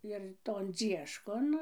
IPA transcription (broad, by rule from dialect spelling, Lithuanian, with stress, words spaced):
ɪr toːn ˈd͡zʲiɛʃkoːn